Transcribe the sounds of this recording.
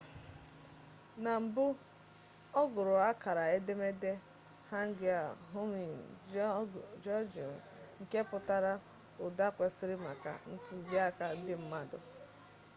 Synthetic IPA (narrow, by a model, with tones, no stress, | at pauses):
na˨m̩˨bʊ˦ | ɔ˦ɡʊ˨ɾʊ˨a˦ka˨ɾa˨e˦de˦me˦de˦ | ha˦ŋ̩˦ɡɪ˨a˨ɦʊ˦mi˨ | d͡ʒɔ˦d͡ʒɔ̰˨ | ŋ̩˨ke˦pʊ˨ta˦ɾa˦ | ʊ˨da˦kʷe˨sɪ˦ɾɪ˦ma̰˨ka̰˨n̩˦tʊ˨zi˦a˦ka˦dɪ˦m̩˦ma˦dʊ̰˨